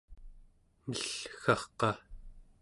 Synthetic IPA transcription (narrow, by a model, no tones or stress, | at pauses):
nəɬxɑχqɑ